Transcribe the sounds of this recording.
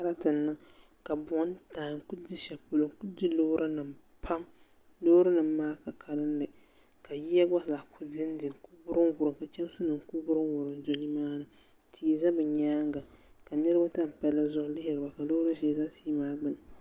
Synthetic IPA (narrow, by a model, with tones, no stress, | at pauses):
a˦ɾa˦tɨ˨nːɨ˦ | ka˨bɔ˨˦n˦taː˨ŋ˨ku˦di˦ʃɛ˨pʊ˨lɨ˨ŋku˦di˦lo˦ɾa˦nɨ˨m | pʰa˦m | loː˦ɾa˦nɨ˨mː˦aː˦ka˨kʰa˨lɨ˦n˦lɨ˨ | ka˨ji˦ja˦ɡa˦˨za˨kʰu˦dɪ˦n˦dɪ˨ku˦bʊ˦ɾɨ˦ŋwʊ˨ɾɨ˨ka˨t͡ʃɛ˦m˦sɨ˦nɨ˨ŋ˦ku˦bʊ˦ɾɨ˦mwʊ˨ɾɨ˨ndo˨ni˦maː˦nɨ˦ | tʰi˨za˦bɨ˨ɲaː˦ŋɡa˨ka˨nɨ˦ɾɨ˦ba˦ta˦m̩˨pɛ˦la˦zʊ˦ʔʊ˦lɪ˦hɪ˨ɾɨ˨ba˨ka˨loː˦ɾa˦ʒɛ˦˨za˦si˦maː˦ɡ͡bɨ˦˨nɨ˨